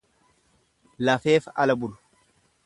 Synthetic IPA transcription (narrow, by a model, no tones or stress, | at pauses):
lɐfe̞ːfɐlɐbʊlʊ̥